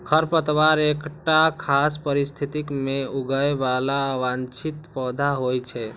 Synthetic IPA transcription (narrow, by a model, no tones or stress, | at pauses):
kʰəɾpət̪ʋaɾekʈakʰaspəɾist̪ʰit̪ikmeuɡəjebalaʋant͡ʃit̪pəd̪ʱaɦojt͡ʃʰɛ